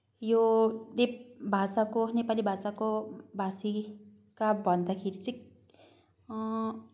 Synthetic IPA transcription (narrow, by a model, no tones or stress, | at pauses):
jonebʱasakonepalibʱasakobʱasi | kabʱʌnd̪akʰeɾit͡sĩ